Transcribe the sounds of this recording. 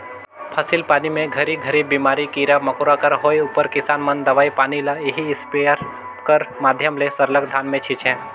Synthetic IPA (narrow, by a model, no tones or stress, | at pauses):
pʰɐsilpaːnimẽɡʱɐɾiɡʱɐɾibiːmaːɾikiɾamɐkoɾakəɾɦoːjʊpəɾkɪsaːnmənd̪ɐʋaːipaːnilaeɦiɪspeəɾ | kəɾmaːd̪ʱjəmlesɐɾləkd̪ʱaːnmẽt͡ʃʰit͡ʃɦɛ̃ː